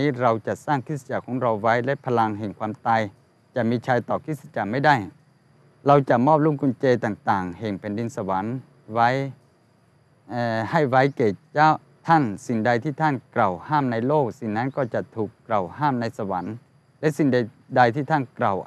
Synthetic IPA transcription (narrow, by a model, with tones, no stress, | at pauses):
iː˦˧˥ɾa˧wt͡ɕa˨˩saː˧˥˩ŋkʰt̪̚sa˧˩t͡ɕaː˨˩kʰɔː˨˦ŋɾa˧wːa˦˥˨jlɛ˦˧˥pʰa˧la˧ŋɦeː˨˩ŋkʰwaː˧mt̪aː˧j | t͡ɕa˨˩miː˧t͡ɕʰaː˧jt̪ɔː˨˩kʰi˧˥t̪̚sa˧t͡ɕa˨˩ma˥˩˨jda˥˩j | ɾa˧wt͡ɕa˨˩mɔː˥˩p̚lu˧˥˨ŋku˧˨nt͡ɕeː˧jt̪aː˨˩ŋt̪aː˨˩ŋheː˨˩ŋpʰɛː˨˩ndi˧nsa˧wa˨˦n | wa˦˥˨j | ʔːha˧˩jwa˦˥˨jkeː˨˩t͡ɕa˧˥˩ | t̪ʰa˧˥˨nsi˨˩ŋda˧jt̪ʰiː˧˥˩t̪ʰaː˧˥˨nkla˨˩whaː˥˩˨mna˧jloː˥˩k̚si˨˩ŋna˦˥˨nkɔː˧˩t͡ɕa˨˩t̪ʰuː˨˩kːla˨˩whaː˥˩˨mna˧jsa˧wa˨˦n | lɛ˦˥˨ʔsi˨˧˩ŋda˧ | da˧jt̪ʰiː˧˩t̪ʰa˧˥˨nkla˨˩w